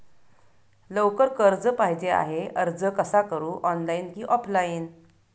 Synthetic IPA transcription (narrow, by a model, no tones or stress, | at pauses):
ləwkəɾkəɾd͡zəpaɦid͡ʑea̰ɦeʔəɾd͡zəkəsakəɾuːʔɔnlainkiːʔɔpʰlain